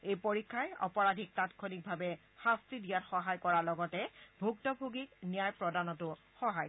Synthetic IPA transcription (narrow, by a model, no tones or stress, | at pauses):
ejpoɹikʰːajɔ̰pɔɹadʱik̚tatkʰonik̚bʱabɛ | xastɹidijatxɔɦajkɔɹalɔɡɔtɛbʱuk̚tɔbʱuɡiknijajpɹɔdanɔtʊ | xɔɦaj